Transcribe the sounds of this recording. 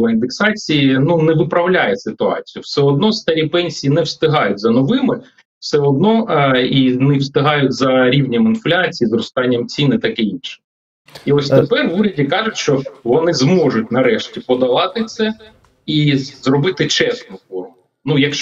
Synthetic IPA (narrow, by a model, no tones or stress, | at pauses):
lˠɐind̪eksɑt͡sʲijinunɛʋɪpɾɐwlʲajɛsɪt̪ʊɑ̰t͡sʲijʊwsɛɔd̪nɔst̪ɐɾʲipɛnʲsʲijinɛwst̪ɪɦɑjʊt̚ʲzɐnɔʋɪmɪ | w̥sɛɔd̪̚nɔinɛwst̪ɪɦɑjʊtʲzɐɾʲiwnʲɛmɪnflʲat͡sʲijizɾɔst̪ɑnʲːɐmt͡sʲinɪt̪ɑkɪinʃɪ̥ | iɔsʲt̪epɛrʋuɾʲɐdʲikɑʐʊtʲʃt͡ʃɔʋɔnɪzmɔʐʊtʲnɐɾɛʃtʲipɔd̪ɐʋɑt̪ɪt̪sɛ | izrɔbɪt̪ɪt͡ʃɛsnʊfɔrmʊ | nujɐkʃ